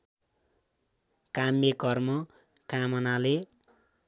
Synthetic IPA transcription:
kamekʌrmʌ | kamʌnale

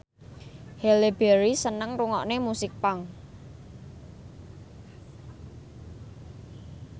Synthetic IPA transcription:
hɛleb̥ɛɾisənəŋruŋɔʔnemusɪk̚paŋ

